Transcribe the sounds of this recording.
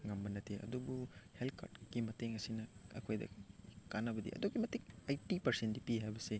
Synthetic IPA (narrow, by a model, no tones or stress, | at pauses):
ŋɐmbɐnɐtʰeɐ̰dubuhelkʰa̰ɾdkimɐteŋɐsinɐɐ̰kʰojdɐ̰kanɐbɐdḭɐ̰dokimɐtik̚ajtipɐɾsendipiɦajbɐse